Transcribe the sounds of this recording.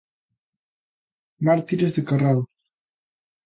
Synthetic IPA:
maɾt̪iɾezðekaral

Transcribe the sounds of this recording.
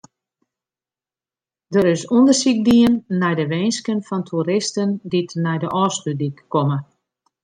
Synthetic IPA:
dəɾɪsundərsik̚diənːɛjdəʋeːnskənfɔntʰuɾɪstənditnɛjdəʔɔːstydikːɔmə

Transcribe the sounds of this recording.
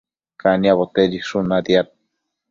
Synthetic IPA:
kaniaβot̪eɾiʂunad̪jat̪̚

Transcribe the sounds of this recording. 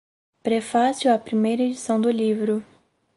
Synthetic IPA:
pɾefasiuwɐpɾimejɾɐed͡ʒisɐ̃w̃d̪ʊlivɾʊ

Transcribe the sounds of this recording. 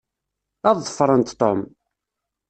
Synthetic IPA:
ɑðˤːəfɾˤənt̪t̪ːom

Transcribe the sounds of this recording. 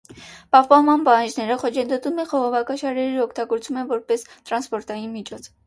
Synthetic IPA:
pɑhpɑnmɑnpɑhɑnd͡ʒnɛɾəχɔt͡ʃʰənd̪ɔt̪umɛχɔʁɔvɑkɑʃɑɾɛɾiɔkʰt̪ɑɡɔɾt͡sumɛnvɔɾpɛst̪ɾɑnspɔɾt̪ɑjinmit͡ʃʰɔt͡sʰ

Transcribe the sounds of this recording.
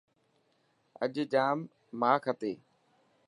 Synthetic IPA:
ə̰ʄd͡ʒaːmː | aːkʰət̪eː

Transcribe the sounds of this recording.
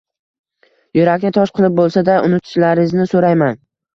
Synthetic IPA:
jʊɾakʲnɪt̪ʰɒʃqʰɨlˠɪp̚bolˠsad̪aʊnɪt̪ʰɪ̥ʃlaɾɪznɪsoɾajman

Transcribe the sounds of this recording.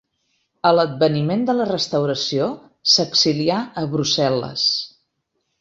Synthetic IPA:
ələd̪̚bənimend̪ələrəst̪əwɾəsio | səksiliaəβɾusɛlə̰s

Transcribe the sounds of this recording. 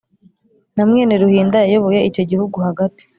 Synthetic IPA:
namŋeːneɾuhiːndajajoβojeico̞ɟihuɡuhaɡati̥

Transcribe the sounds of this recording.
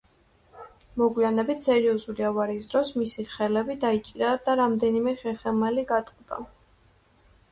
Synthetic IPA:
mɔɡwianɛbit̪ʰsɛɾiɔzuliavaɾiːsd̪ɾɔsmisiχɛlɛbid̪ait͡ʃʼiɾad̪̥aɾamd̪ɛnimɛχɛχɛmaliɡat̪ʼqʼd̪̥a̰

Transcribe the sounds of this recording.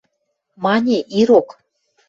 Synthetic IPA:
mɑnʲeʔiɾok

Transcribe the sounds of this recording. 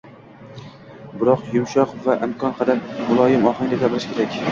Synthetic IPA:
bɪɾɒqjʊmʃɒqvaʔɪmkʰɒnqʰɑd̪ammʊlˠɒjɪmɒχɪŋd̪ʲaɡʲabɪɾɪʃkʲʰe̞ɾakʲ

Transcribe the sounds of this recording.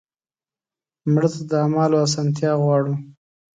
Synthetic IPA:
mɽət̪ad̪əamɑloas̬ɑnt̪̬jɑɣwɑɽu

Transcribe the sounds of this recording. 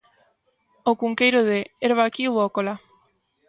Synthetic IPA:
okuŋkejɾoðeːɾβakiβokola

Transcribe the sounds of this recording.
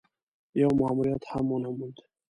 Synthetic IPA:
jɔmʊamuɾijat̪hamːɔnamud̪

